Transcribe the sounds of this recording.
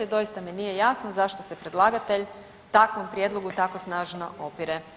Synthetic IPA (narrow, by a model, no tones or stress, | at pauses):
ed̪o̞jist̪aminijejasnozaʃt̪osepɾe̞d̪lˠaːɡat̪e̞ʎ | t̪akʋo̞mpɾjed̪lˠo̞ɡut̪ako̞snaːʒno̰ʔopiɾe